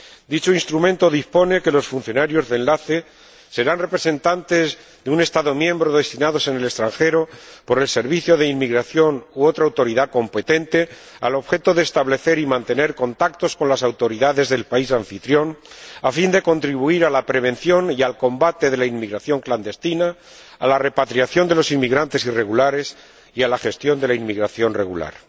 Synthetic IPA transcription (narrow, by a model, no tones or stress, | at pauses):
d̪it͡ʃoinst̪ɾumẽ̞nt̪o̞ðispo̞ne̞ke̞lo̞sfun̟θjo̞naɾjo̞zðe̞nlaθe̞ | se̞ɾanre̞pɾe̞sẽ̞nt̪ant̪e̞z | ðeune̞st̪aðo̞mjẽ̞mbɾo̞ðe̞st̪inaðo̞se̞ne̞le̞st̪ɾaŋxe̞ɾo̞po̞ɾe̞lse̞ɾβiθjo̞ðe̞immːiɣɾaθjo̞nuo̞t̪ɾaːwt̪o̞ɾiðako̞mpe̞t̪e̞nt̪e̞ | a̰lo̞βxe̞t̪o̞ðeːst̪aβle̞θe̞ɾimãnt̪e̞ne̞ɾko̞nt̪ak̚t̪o̞sko̞nlasawt̪o̞ɾiðaðe̞zðe̞lpaisaɱfit̪ɾjo̞nafind̪e̞ko̞nt̪ɾiβuiɾalapɾe̞β̞ẽ̞nθjo̞nialko̞mbat̪e̞ð̞e̞lainmiɣɾaθjo̞ŋkland̪e̞st̪ina | alare̞pat̪ɾiaθjo̞nd̪e̞lo̞sinmiɣɾant̪e̞sire̞ɣulaɾe̞s | ialaxe̞st̪jo̞nd̪e̞lainmiɣɾaθjo̞nre̞ɣṵla̰ɾ